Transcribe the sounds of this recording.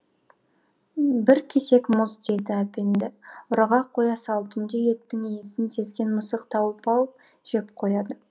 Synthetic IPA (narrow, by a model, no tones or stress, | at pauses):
bɪɾkʲʰe̞se̞kmʊzd̪e̞d̪ɪæpend̪ɪʊɾɑʁɑqʰo̞jɑsɑlˠt̪ənd̪ejek̚t̪ɪŋejɪsɪnse̞zɡʲe̞nmʊsəqt̪ʰɑwəpɑlˠəp̚ | ʒ̥ep̚qʰo̞jɑd̪ə